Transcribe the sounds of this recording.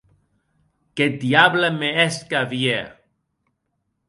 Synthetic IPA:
ked̪jablameeskavje

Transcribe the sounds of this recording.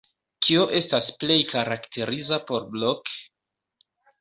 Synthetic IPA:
kʰioʔe̞stasple̞jkaɾaktʰe̞ɾizapo̞ɾblok

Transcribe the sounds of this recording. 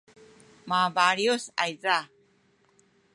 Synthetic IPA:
mabaɾiosa̰jd͡za

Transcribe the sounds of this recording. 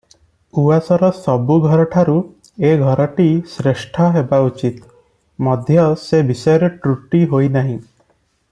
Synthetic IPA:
uasɔɾɔsɔbuɡʱɔɾɔʈʰaɾu | eɡʱɔɾɔʈisɾeʃʈʰɔɦebaut͡ʃit̪ | mɔd̪ʱjɔsebisɔjɔɾeʈɾuʈiɦojnaɦĩ

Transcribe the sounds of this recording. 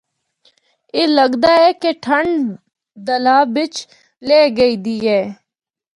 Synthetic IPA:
eːləɡd̪aːɦɛːkeʈʰəɳɖ | d̪əlaːbɪt͡ʃ | leːɡəiːd̪iːɦɛː

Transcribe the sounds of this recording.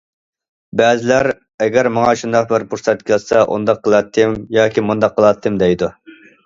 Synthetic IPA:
bɛːzɪlæɾ | ɛɡʲæɾmɑŋɑʃund̪ɑq̚bɪɾpʰuɾsɛt̪̚kʲʰɪlsɑʔṵnd̪ɑqʰːəlˠɑt̪ʰːɨmjɑːkʲʰimund̪ɑqʰːəlˠɑt̪ʰːɨmd̪ɛjd̪u

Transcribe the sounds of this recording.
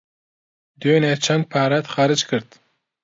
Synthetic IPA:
d̪ønɛt͡ʃʰan̚pʰaːɾat̪χaɾɨt͡ʃkʰɨɾt̪

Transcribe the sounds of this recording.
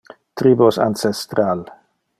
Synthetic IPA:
t̪ɾibosa̰nsest̪ɾal

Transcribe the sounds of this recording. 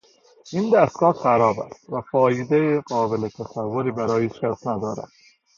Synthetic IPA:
ʔind̪æst̪̚ɡ̥ɒːhɢæɾɒːbæ̰st̪væfɒːjed̪ejeɢɒːbelet̪ʰæsævːoɾiːbæɾɒːjeiːt͡ʃkʲʰæsnæd̪ɒːɾæ̰d̪̥̚

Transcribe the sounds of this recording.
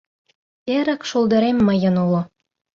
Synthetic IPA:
eɾə̆kʃolˠd̪ɤ̆ɾemːə̆jɤ̆nulo

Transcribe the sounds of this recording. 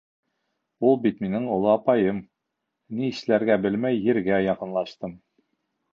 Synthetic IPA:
ulˠbit̪minɘɴŏlˠɤɑpɑjɤm | niɘʃlæɾɡæbɘlmæjːɘ̆ɾɡæjɑqɤ̆nlˠɑʃt̪ɤm

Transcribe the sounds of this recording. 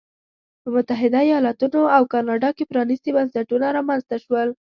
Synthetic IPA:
pəmʊt̪aɦɪd̪aijɑlɑt̪unoawkɑnɑɖɑkepɾɑnist̪ebansaʈunaɾɑmanzt̪aʃwəl

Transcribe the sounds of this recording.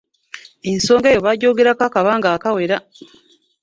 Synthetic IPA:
enso̞ːŋɡejo̞βaɟoːɡeɾakakaβaːŋɡaːkawe̞ɾa

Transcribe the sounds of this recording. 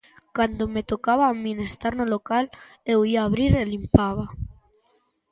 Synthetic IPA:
kand̪omet̪okaβamĩnest̪aɾnolokal | ewiaːβɾiɾelimpaβa

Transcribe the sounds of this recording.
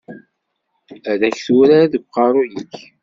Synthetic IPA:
æðæçθuɾaɾðəɡʷqɑɾˤujəç

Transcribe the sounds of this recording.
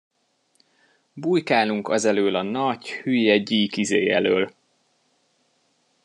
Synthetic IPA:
buːjkaːluŋkɒzɛløːlɒnɒɟhyːjɛɟiːkizeːjɛ̰løːl

